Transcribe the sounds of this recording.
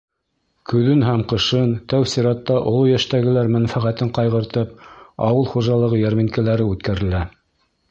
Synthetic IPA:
kɵ̆ðɵnɦæmqɤ̆ʃɤnt̪æwsiɾɑt̪ːɑʔŏlˠujæʃt̪æɡɘ̆læɾmæ̆nfæʁæt̪ɘɴqɑjʁɤ̆ɾt̪ɤp̚ɑwɤlˠχuʒɑlˠɤ̆ʁɤjæɾmiŋkælæɾɘʉt̪kæɾɘ̆læ

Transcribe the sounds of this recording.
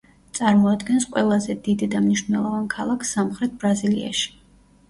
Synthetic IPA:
t̪sʼaɾmɔad̪ɡɛnsqʼwɛlˠazɛd̪id̪d̪amniʃnɛlˠɔvankʰalˠakʰsamχɾɛt̪̚bɾazilia̰ʃi̥

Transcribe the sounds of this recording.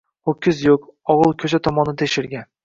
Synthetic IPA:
hokʲʰːɪzjokɒʁɨlˠkʲʰɵt͡ʃʰat̪ʰɒmɒnɪt̪ʰeʃɪɾɡʲan

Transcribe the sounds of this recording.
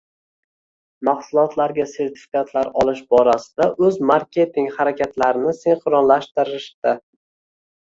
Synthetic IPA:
maχsʊlˠɒt̪ʰlaɾɡʲase̞ɾt̪ʰɪ̥fi̥kat̪ʰlaɾɒlˠɪʃbɒɾasɪd̪aʔɵzmaɾkʲe̞t̪ɪŋhaɾakʲʰat̪laɾɪnɪseŋqʰʊɾɒnlaʃt̪ɪɾɪʃd̪ɪ

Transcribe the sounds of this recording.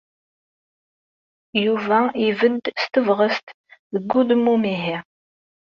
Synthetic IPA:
juːvaːŋiːvɨdstʰɨvʁɐstʰ | ðɨɡʷʊdmuːmeːɦe

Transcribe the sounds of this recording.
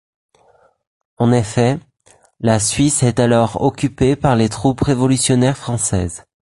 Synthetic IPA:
ɑ̃nefɛ | lasɥisɛt̪alɔʁɔkʲypepaʁlet̪χupʁevɔlysjɔnɛʁfχɑ̃sɛ̰z

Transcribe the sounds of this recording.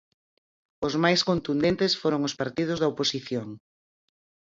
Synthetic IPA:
ʊzmajskont̪und̪ent̪esfoɾoŋʊspaɾt̪ið̞ʊzðɐoposiθjoŋ

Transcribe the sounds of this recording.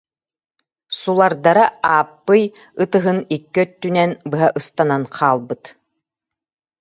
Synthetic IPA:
sulˠaɾd̪aɾaaːpːɯj | ɯt̪ɯɦɯnikːœt̪ːynɛnbɯɦaʔɯst̪ananqʰaːlˠbɯt̪

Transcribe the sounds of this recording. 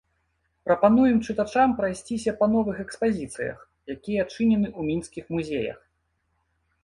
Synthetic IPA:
pɾɐpanujɛmt͡ʂɨt̪at͡ʂampɾajsʲt͡sʲisʲɐpɐnɔvɨxɛkspazʲit̪sɨ̰jɐ̰x | jakʲijɐt͡ʂɨnʲɛnɨumʲinskʲixmuzʲejɐ̰x

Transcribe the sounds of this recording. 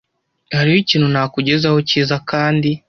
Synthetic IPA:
haɾihociːnhunaːkuɟe̞zaho̞ciːzakaːndi

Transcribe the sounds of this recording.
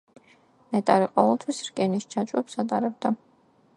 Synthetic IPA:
mɛt̪ʼaɾiqʼɔvɛlˠt̪ʰwisɾkʼɛnist͡ʃʰat͡ʃʼwɛpsat̪ʼaɾɛb̚d̪a

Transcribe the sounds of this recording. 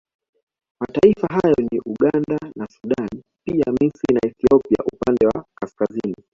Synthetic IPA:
mataifaɦajɔniʔuɠandanasuɗan | piamisɾinaɛθiɔpia̰ʔupandɛwakaskazini

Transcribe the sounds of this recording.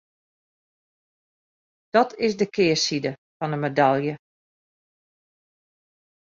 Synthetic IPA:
d̥ɔtʰɪsdəkʰɪːəsidəfɔnəmedalˠjə

